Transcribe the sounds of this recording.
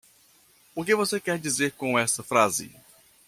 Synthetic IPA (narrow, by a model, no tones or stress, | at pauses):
ʊkɪvosekɛɾd͡ʒizeɾkõɛst̪ɐfɾazɪ̰